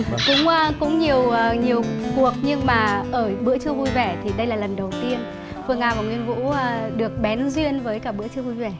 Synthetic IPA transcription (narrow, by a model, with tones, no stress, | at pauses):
kʊ˨˦ŋ͡mːkʊ̰˧˥ŋ͡mɲi˨˩əwɲi˨˩əwku˨˩ək̚ɲɨ˧ŋmaː˨˩ʔəː˧˩ɓɨ̰˧˥ət͡ɕɨ˧əvu˧jvɛ˧˩t̪ʰi˨˩ɗə˧jlaː˨˩lə˨˩nɗə˨˩wt̪i˧ən | fɨ˧əŋaː˧˩vaː˨˩ŋwi˧ənvṵː˧˥˧ɗɨ˨˩ək̚ɓɛ˨˦nzwi˧ənvəː˨˦jkaː˧˩ɓɨ̰˧˥ət͡ɕɨ˧əvu˧jvɛ˧˩